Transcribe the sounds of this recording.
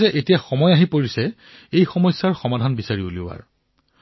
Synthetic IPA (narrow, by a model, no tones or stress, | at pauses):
zɛʔetijaxɔmɔjaɦipoɹisɛ | ejxɔmɔjsːaɹxɔmadʱanbisaɹiulia̰ɹ